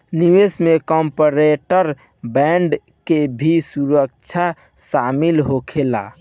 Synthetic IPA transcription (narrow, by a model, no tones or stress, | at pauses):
niwesmekɔmpəɾeʈəɾ | bɛɳɖ | kebʱisuɾək̚t͡ʃʰa | samilɦokʰela̰